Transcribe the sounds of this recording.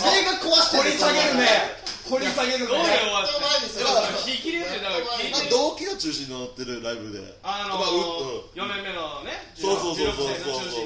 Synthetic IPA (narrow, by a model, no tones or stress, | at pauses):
soɾeɡakʰoβasoɾʲisaɡeɾɯne | hoɾʲisaɡeɾɯoeat̪ | ikʲiɾesd̪akɾimad̪o̞ːkʲiɡat͡ɕɨːɕĩɲʲːonot̪ːe̞ɾɯ̟ɾaibɯ̟d̪e̞̰ | amaɯt̪ːojonẽmːenonesoːsoːsoːsoːsoːo